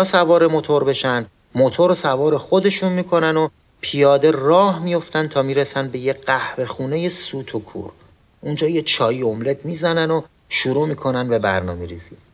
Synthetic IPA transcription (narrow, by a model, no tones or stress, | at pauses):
sævɒːɾe̞mo̞t̪ʰo̞ɾbe̞ʃæn | mot̪ʰoɾosævɒːɾe̞xo̞d̪e̞ʃunmiːkʰo̞næno̞ | pʰijɒːd̪e̞rɒːhmijo̞ft̪ænt̪ʰɒːmiːɾesænbe̞jeɢæhve̞xuːne̞je̞suːt̪ʰokʰṵːɾ | ʔund͡ʒɒːjet͡ʃʰɒːjio̞mle̞d̪miːzænæno̞ | ʃuɾuːmiːkʰo̞nænbebæ̰ɾnɒ̰ːmeɾizi